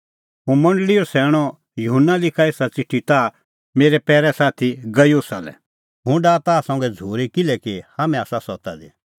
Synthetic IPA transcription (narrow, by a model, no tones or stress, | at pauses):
ɦũmɐ̃ɳɖlɪjɔsɛːɽ̃ɔ | jʊɦʊnːalɪkʰaeːsat͡sɪʈʰːit̪a | meːɾɛpɛːɾɛsaːt̪ʰiɡɐjuːsalɛ̰ | ɦʊ̃ɖaːt̪asɐ̃ŋ̆ɡɛd͡zʱoːɾikɪlɛkihamɛ̃aːsasɔt̪ad̪ḭ